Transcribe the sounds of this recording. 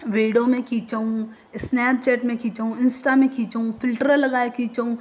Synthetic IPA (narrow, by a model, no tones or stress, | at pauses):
ʋeːɖomẽkʰiːt͡ʃaũ | ɪsnɛːp̚t͡ʃɛːʈmẽkiːt͡ʃəũɪnsʈamẽkʰiːt͡ʃəũfʰɪlʈɾəlɐɡaːekiːt͡ʃəũ